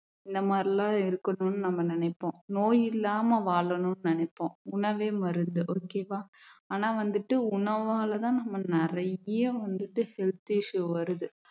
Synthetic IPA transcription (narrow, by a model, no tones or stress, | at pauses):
ɪnd̪ɐmaːd̪ɾɪlãːɪɾɯkːɐnoːnːɯnɐmːɐnɪnɐɪpːõːnoːjɪlːaːmɐʋaːɭɐnʊːnːɯnɪnɐpːõːʊɳɐʋeːmɐɾɯnd̪ɯʔoːkeːʋaːaːnaːʋɐnd̪ɯʈːɯʊɳɐʋaːɭɐt̪ãːnɐmːɐnɪɾɐɐʋɐnd̪ɯʈːɯhɛlt̪iʂɯʋɐɾɯðɯ